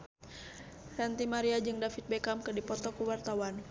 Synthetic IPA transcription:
sant̪imaɾiad͡ʒɨŋdafit̪̚bɛkamkɨrdipɔt̪ɔkuwart̪awan

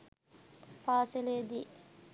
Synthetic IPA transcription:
paːseleːd̪i

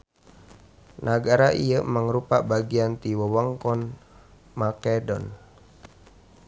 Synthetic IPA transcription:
nʔaɡaɾaʔḭəmaŋɾupabaɡiant̪iwəwaŋkɔn | makɛdɔ̰n

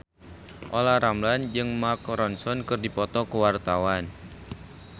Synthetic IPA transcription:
ʔolaɾamland͡ʒɨŋmakɾɔnsɔnkɨrdipɔt̪ɔkəwart̪awan

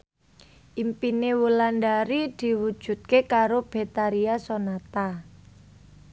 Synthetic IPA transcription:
ʔimpinewulandaɾid̪̥i̤wu̥ʒ̥ṳt̪̚kekaɾob̥e̤t̪aɾiasonat̪a

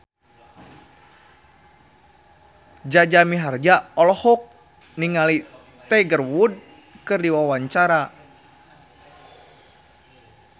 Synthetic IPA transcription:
d͡ʒad͡ʒamiɦard͡ʒaɔlɔhɔk̚ | niŋali | t̪ɛɡərwud̚ | kɨrdiwawaɲt͡ʃaɾa

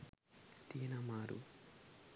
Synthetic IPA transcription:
t̪iːnɐmaːɾṵ

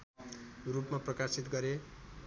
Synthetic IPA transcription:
rupmaprʌkasit̪ɡʌɾe

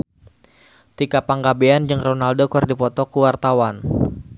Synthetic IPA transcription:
t̪ikapaŋɡabeand͡ʒɨŋronaldokɔrdipɔt̪ɔkuwart̪awan

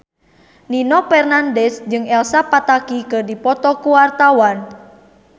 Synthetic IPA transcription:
ninɔpɛrnandɛsd͡ʒɨŋɛlsapat̪akikɨrdipɔt̪ɔkuwart̪awan

